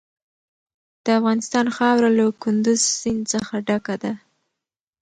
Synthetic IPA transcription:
d̪̥əafɣɑnɪst̪ɑnxɑwɾalakʊnd̪ʊzsɪnt͡səxaɖakad̪a

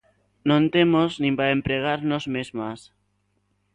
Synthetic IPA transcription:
nõnt̪emoznĩmpaempɾeɣ̞aɾnozmezmas

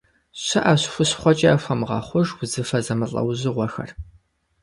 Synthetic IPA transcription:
ɕɐʔaɕxʷʊɕχʷɔt͡ʃʼɐafʷɐmʁɐ̰χʷʊʒwʊzɨfɐzɐmɨɬʼɐ̰wʑɪʁʷɔxɐ̰r

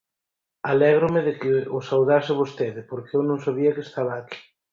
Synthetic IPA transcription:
alɛɣ̞ɾʊmɪðɪkɪʊsawðasɪβ̞ost̪eðɪpoɾkeɛwnõŋsaβiɐkɪest̪aβaːki̥

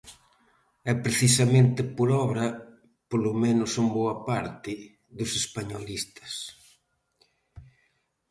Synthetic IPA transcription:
ɛpɾeθisɐmẽnt̪ɪpoɾɔβɾɐ | polomenʊsumboɐpaɾt̪ɪ | ðʊsespaɲolist̪ɐ̥s

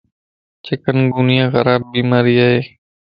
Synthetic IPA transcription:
t͡ʃekənɡuːnijãːɣə̰ɾaːb̚biːmaːɾiːaːɦeː

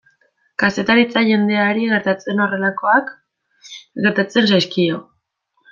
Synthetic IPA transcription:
kase̞t̪aɾit͡saʝe̞nd̪e̞aɾiɣe̞ɾt̪at͡se̞no̞re̞lako̞ak | ɣe̞ɾt̪at͡se̞nsajskio̞

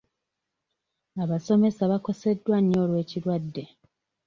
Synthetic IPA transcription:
aβaso̞me̞saβako̞se̞dːwaɲːo̞ːlwe̞ːciɾwadːe̞

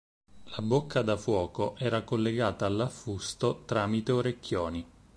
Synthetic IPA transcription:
labokʰːad̪afwɔːkoʔɛːɾakolːeɡaːt̪aːlːafːust̪ot̪ɾaːmit̪eoɾekːjoːni

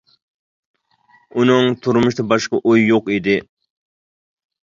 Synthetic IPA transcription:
unɨŋt̪ʰuɾmʊʃt̪ɑbɑʃqɑʔujːoqid̪ɪ

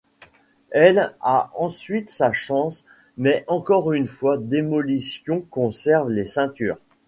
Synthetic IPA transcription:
ɛlaɑ̃sɥit̪saʃɑ̃s | mɛʔɑ̃kɔʁynfwad̪emɔlisjɔ̃kɔ̃sɛʁvlesɛ̃t̪yːʁ

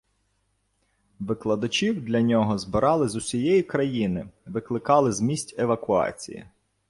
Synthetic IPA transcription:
ʋɪklˠɐd̪ɐt͡ʃʲiwd̪lʲɐnʲɔɦɔzbɪɾɑlˠɪzʊsʲijɛjikɾɐjinɪʋɪklˠɪkɑlˠɪzmʲisʲtʲeʋɐkʊɑ̰t͡sʲḭjḭ

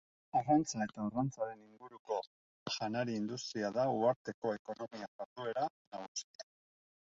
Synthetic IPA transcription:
arant͡sae̞t̪aurant͡saɾe̞niŋɡuɾuko̞ | ʝanaɾiːnd̪ust̪ɾiaðauaɾt̪e̞ko̞e̞ko̞no̞miabat̪ue̞ɾa | naɣust̪ia

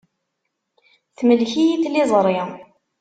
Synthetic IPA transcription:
θməlçijiθlɪzˤɾˤi

